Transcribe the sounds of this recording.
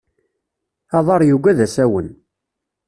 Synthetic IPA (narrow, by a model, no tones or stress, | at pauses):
ɑðˤɑɾˤjuɡʷæðæsæwən